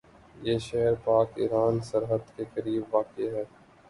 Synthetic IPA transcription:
jeːʃɛɦəɾpaːkɪ̰ɾaːnsɐɾɦəd̪kekɐɾiːbʋaːkeɦɛː

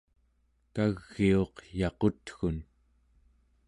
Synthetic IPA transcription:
kaɣːio̞qjɑqo̞t̪xun

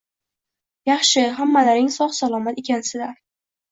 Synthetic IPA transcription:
jɑχʃɪɦamːalaɾɪŋsɒχsalˠɒmat̪e̞kʲʰansɪlaɾ

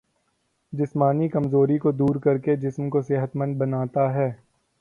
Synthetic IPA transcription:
d͡ʒɪsmaːnikɐmzoːɾikod̪uːɾkɐɾked͡ʒɪsmkosɪɦət̪mə̃nd̪̚bɐnaːt̪aɦɛː

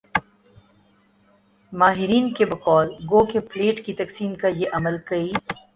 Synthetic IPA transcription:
maːɦɪɾiːnkebɐkɔːlɡoːkepleːʈkit̪ɐksiːnkajeʔɐməlkɐiː

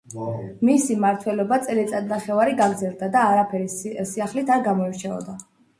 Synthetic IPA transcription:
misimaɾt̪ʰwɛlɔbat̪sʼɛlit̪sʼad̪naχɛvaɾiɡaɡɾd̪zɛlˠd̪ad̪aːɾapʰɛɾisiaχlit̪ʰaɾɡamɔiɾt͡ʃʰɛɔ̰d̪a

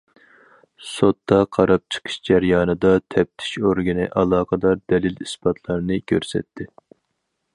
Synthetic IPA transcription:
sot̪ːɑqʰɑɾɑp̚t͡ʃʰə̥qʰə̥ʃd͡ʒɛɾjɑːnɨd̪ɑt̪ʰɛp̚t̪ʰi̥ʃoɾɡʲinɨʔɑlˠɑːqəd̪ɑɾd̪ɛlɪlispɑt̪ʰlˠɑɾnɨkʲʰøɾsɛ̰t̪ʰːɪ

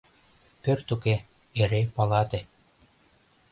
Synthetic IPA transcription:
pørt̪uke | eɾepɑlˠɑt̪ĕ

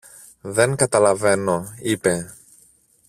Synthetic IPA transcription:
ðe̞ŋkɐt̪ɐlɐve̞no̞ipe̞

